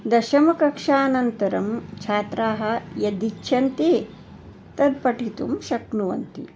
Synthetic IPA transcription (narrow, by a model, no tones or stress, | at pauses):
d̪ɐʃɐmɐkɐkʂaːnɐnt̪ɐɾɐmt͡ʃʰaːt̪ɾaːɦɐ̆jɐd̪ikt͡ʃʰɐnt̪i | t̪ɐd̪̚pɐʈʰit̪umʃɐknuʋɐ̰nt̪ḭ